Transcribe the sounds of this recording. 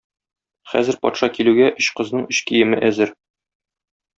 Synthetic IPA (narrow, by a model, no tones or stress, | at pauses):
χæ̰zɘɾpɒ̰t̪ʃɑkilʉɡæʔɵɕqɤ̆znɤɴɵɕkijɘ̆mɘʔæzɘɾ